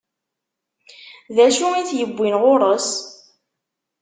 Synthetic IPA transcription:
ðæʃuiθjəbʷːinʁʊɾˤəs

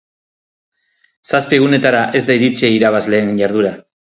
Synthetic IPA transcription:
saspieɣ̞une̞t̪aɾaʔe̞zd̪ajɾit͡seiɾaβazle̞ːnʝaɾðuɾa

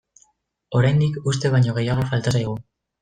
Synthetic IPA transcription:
o̞ɾajnd̪ikust̪e̞βajɲo̞ɣ̞e̞jaɣ̞o̞falt̪asajɣ̞u

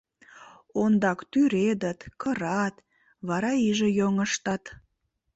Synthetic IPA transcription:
ond̪ɑkt̪yɾed̪ət̪kəɾɑt̪ | βɑɾɑiʒejoŋəʃt̪ɑt̪

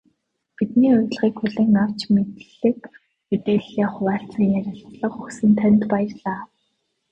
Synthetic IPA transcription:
pit̪niːʊjɮʁiːkxɵɮɘ̆ːŋnaw̥t͡ɕmet̪ɮɘ̆k | met̪eːɮːeːχʊwaːɬt͡sə̆ŋjæɾʲɪ̆ɮɮə̆χɵxsɘ̆nt̪ʰœnʲt̪pajə̆rɮaː

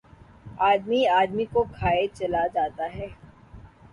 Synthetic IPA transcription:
aːd̪miaːd̪mikoɡʰʱaːet͡ʃɐlad͡ʒaːt̪aɦɛː

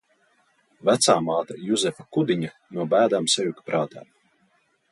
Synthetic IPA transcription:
væt̪saːmaːt̪ajuzɛfakud̪iɲa | nuɔbæːd̪aːmsɛjukpɾʔaːt̪aː

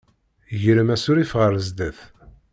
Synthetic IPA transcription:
ʝəɾəmæsʊɾifʁəɾəzd̪əθ

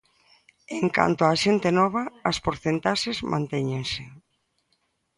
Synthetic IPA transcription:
eŋka̰nt̪oaʃent̪enɔβ̞ɐːspoɾθent̪aʃezmʔã̰nt̪ɛɲeŋse

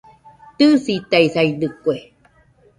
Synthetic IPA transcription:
t̪ɨsit̪aisaidɨkue

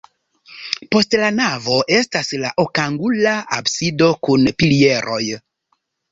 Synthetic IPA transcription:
po̞stlanavo̞ʔe̞staslaʔokaŋɡulaa̰bsido̞kunpilie̞ɾo̞j

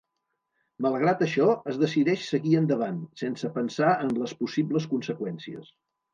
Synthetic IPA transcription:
məlˠɣ̞ɾat̪əʃɔəzðəsiðɛʃsəɣiənd̪əβansensəpənsaənləspusibləs̬kunsəkwɛnsiə̰s

